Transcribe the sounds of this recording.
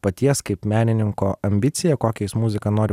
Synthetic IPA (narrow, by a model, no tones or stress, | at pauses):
pɐt̪ʲiɛskɐɪpmʲæːnʲɪnʲɪŋkoːɐmʲbʲɪt̪sʲɪjɛkoːkʲɛjɪsmʊzʲɪkɐnoːɾʲɪ